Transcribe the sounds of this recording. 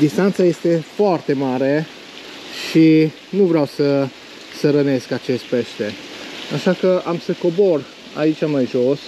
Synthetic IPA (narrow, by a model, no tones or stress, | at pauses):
d̪ist̪ant̪saje̞st̪e̞foart̪e̞maɾe̞ | ʃi | nuvɾeawsə | səɾəne̞skat͡ʃe̞st̪̚pe̞st̪e̞aʃakəʔamsəko̞bo̞r | a̰it͡ʃʲamajʒo̞s